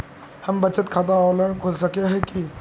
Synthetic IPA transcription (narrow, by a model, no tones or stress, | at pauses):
hɐmbɐt͡ʃət̪kʰaːt̪̬aɔːləɽkʰʊlsɐkeɦɛ̃ki